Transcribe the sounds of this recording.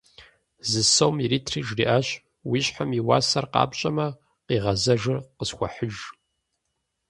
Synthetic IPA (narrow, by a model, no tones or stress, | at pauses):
zɨsɐwmiɾiːtʰriːʒriːʔaːɕ | wiːɕħamiwa̰ːsɐrqɑ̰ːpɕʼɐmɐ | qiːʁɐzɐʒɨrqəsxʷɐ̰ħəʒ